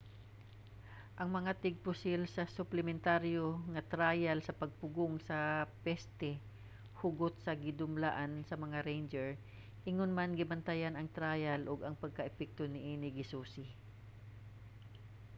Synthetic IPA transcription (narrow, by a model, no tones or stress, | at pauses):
ʔɐŋmɐŋat̪ɪɡ̚pʊsɪlsɐsʊplɛmɛnt̪aɾjoŋɐt̪ɾaːjɐlsɐpɐɡ̚pʊɡoŋsɐpɛst̪ɛ | hʊɡot̪̚sɐɡɪd̪ʊmlaʔansɐmɐŋaɾejnd͡ʒɛɹ | ʔɪŋonmanɡɪbɐnt̪ajanɐŋt̪ɾaːjɐlʔoɡɐŋpɐɡ̚kɐʔɛpɛk̚t̪onɪʔiːnɪɡɪsuːsɪ